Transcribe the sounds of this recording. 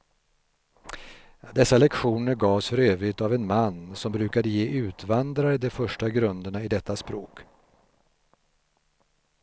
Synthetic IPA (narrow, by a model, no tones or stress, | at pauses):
d̪ɛsːalɛkɧuːnəɾɡɑːvsfœɾøːvɾɪt̪avɛnmanːsɔmbɾʉːkad̪əjeːʔʉ̟ːt̪vand̪ɾaɾəd̪ɛfœʂʈaɡɾɵnd̪əɳaɪd̪ɛt̪ːaspɾoːk